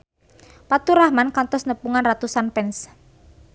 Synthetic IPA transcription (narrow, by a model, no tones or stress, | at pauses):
pat̪uɾahmankant̪ɔsnəpuŋanrat̪usanpɛns